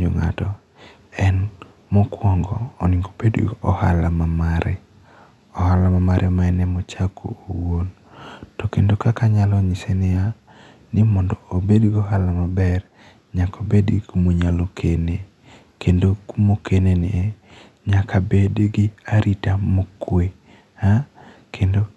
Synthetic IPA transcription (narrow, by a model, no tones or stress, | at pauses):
ɲo̰ŋa̰tɔ | ɛn | mɔkwɔŋɡɔːnɪŋɡobedḭɔha̰lamamaɾɛ̰ | ɔhalamamaɾʔɛmaɛnɛmɔt͡ʃakʰo̰ːwon | tɔkendokakaɲalɔɲɪsenɪja | nɪmɔndɔobedɡoɦalamabɛr | ɲakobedɡikumoɲalokʰene | kendokumokeneni | ɲakʰabedɡiaɾʔitamokwe | ha | kʰendo